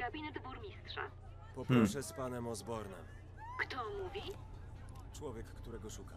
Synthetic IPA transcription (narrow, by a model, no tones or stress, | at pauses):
ɡabʲinɛd̪buɾmʲist̪ʂa̰ | pɔpɾɔfʂɛspanɛmɔzbɔɾnɛ̰m | kt̪ɔmuvʲi | t͡ʂwɔvʲjɛkːt̪uɾɛɡɔʂuka